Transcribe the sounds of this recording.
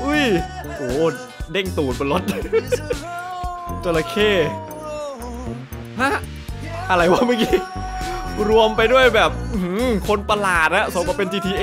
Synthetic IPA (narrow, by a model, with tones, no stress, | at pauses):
ʔɯ˦˥˩jʔoː˨˩ | de˥˩ŋt̪uː˨˩t̪̚pe˧lo˦˥t̪̚ | t͡ɕoː˧la˧kʰeː˥˩ | ha˦˥ | ʔa˧ɾa˧˩jwaː˥˩ma˧˥˩kiː˧˥ | ɾu˧əmpa˧jdu˥˩əjbɛː˨˩p̚ɯ˧hɯ˨˩kʰo˧npa˧laː˨˩t̪̚ha˦˥so˨˦kaː˧˩pe˧nt͡ɕiː˧t̪ʰiː˧ʔ